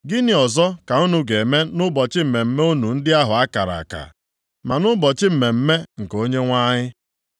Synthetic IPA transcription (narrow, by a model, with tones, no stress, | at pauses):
ɡɪ˦nɪ˨ɔ˨zɔ˦ka˨u˦nu˦ɡe˨me˦nʊ˦bɔ˨t͡ʃɪ˦m̩˨me˨m̩˦me˦u˦nu˨n̩˦dɪ˦a˦ɦʊ˨a˦ka˨ɾa̰˨ka̰˨ | ma˨nʊ˦bɔ˨t͡ʃɪ˦m̩˨me˨m̩˦me˦ŋ̩˨ko˦ɲe˦ŋʷa˦ɲɪ˦